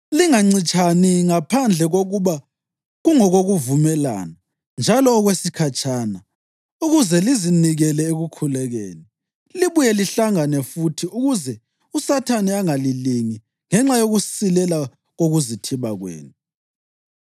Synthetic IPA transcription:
liŋaŋ͡ǀit͡ʃʼʰaniŋapʰand͡ɮʱɛɣoɣuβa | ɣuŋɔɣoɣuvumɛla̰ːna | nd͡ʒʱalɔːɣwesikʰat͡ʃʰʼana | uɣuzɛliziniɣɛlɛeɣukʰulɛɣḛːni | liβujɛliɬaŋanɛfutʰiuɣuzɛ | usatʰaniaŋaliliŋi | ŋɛŋ͡ǁajoɣusilɛla | ɣoɣuzitʰiβaɣwḛːnu

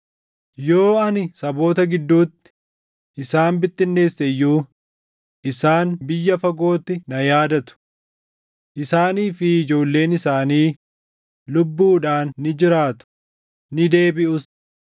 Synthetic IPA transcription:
jo̞ːɐnɪsɐbo̞ːt̪ɐɡɪd̪ːuːt̪ːɪ̥ | ʔɪsaːmbɪt̪ːɪnːe̞ːsːɛjːuː | ʔɪsaːnbɪjːɐfɐɡo̞ːt̪ːɪnɐjaːd̪ɐt̪ʊ̥ | ʔɪsaːniːfɪɪd͡ʒo̞ːlːe̞ːnɪsaːniː | lʊbːuːᶑaːnːɪd͡ʒɪɾaːt̪ʊ̥ | nɪd̪e̞ːbɪʔʊs

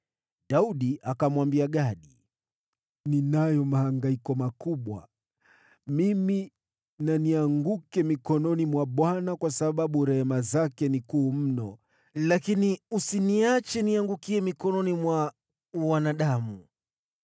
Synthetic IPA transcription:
ɗauɗiʔakamwambiaɠaɗi | ninajɔmahaŋɡaikɔmakuɓwa | mimi | naniaŋɡukɛmikɔnɔnimwaɓwanakwasaɓaɓuɾɛhɛmazakɛnikuːm̩nɔ | lakiniusiniat͡ʃɛniaŋɡukiɛmikɔnɔnimwa | wanaɗamu

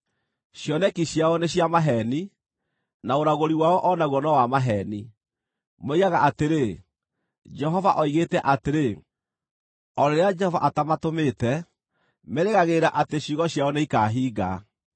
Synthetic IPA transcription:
ɕjɔnɛkiɕjaɔneɕjamaɦɛni | naoɾaɣoɾiwaɔʔɔnaɣwɔnɔwamaɦɛni | moiɣaɣaʔateɾe | d͡ʒɛɦɔvaʔɔiɣeːtɛʔateɾe | ɔɾeɾead͡ʒɛhɔva̰ʔatamatometɛ | mɛɾeɣaɣeɾaʔateɕiɣɔɕjaɔneikaːɦiːɡa̰

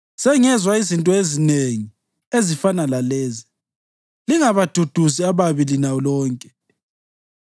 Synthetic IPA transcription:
sɛŋɛzwaizintʼɔezineŋi | ezifanalalɛːzi | liŋaβad̥ʱud̥ʱusiaβaβilinalɔːŋkʼɛ̥

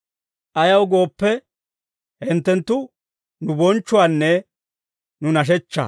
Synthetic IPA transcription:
ʔɐjɐwɡo̞ːpːɛ | hɪnt̪ːɛnt̪ːʊ | nʊbɔnt͡ʃːʊaːnːɛ | nʊnɐʃ̬ɛt͡ʃːa̰

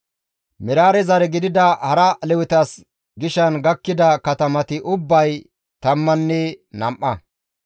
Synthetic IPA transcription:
mɪɾaːɾɛzɐɾɛɡɪd̪ɪd̪ɐhɐɾɐlɛwʊt̪ɐs | ɡɪʃɐnɡɐkːɪd̪ɐkɐt̪ɐmɐt̪ɪʔʊbːɐj | t̪ɐmːɐnːɛnɐmʔɐ

